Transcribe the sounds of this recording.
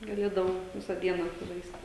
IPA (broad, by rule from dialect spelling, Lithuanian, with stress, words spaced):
ɡɐˈlʲeːdɐʋɐʊ ˈʋʲɪsɐ ˈdʲiɛnɐ ʊʃʲsʲɪˈʒɐɪsʲtʲɪ